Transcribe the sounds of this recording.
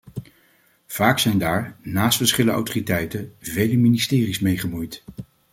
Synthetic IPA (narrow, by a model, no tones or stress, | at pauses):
v̥aːksɛjndaːɹnaːstfəɹsχɪləəa̰wtoːritɛjtəvejləministɪːrismejχəmujt